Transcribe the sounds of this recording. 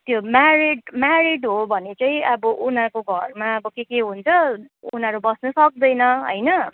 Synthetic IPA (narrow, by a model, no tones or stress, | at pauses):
t̪jomaɾiɖmaɾiɖɦobʱʌnet͡saĩʌbʌʔunɦakoɡʱʌrmaʌbʌkekeɦunt͡sʰʌunʌɾubʌsnʌsʌk̚d̪ʌjnʌɦʌ̰jnʌ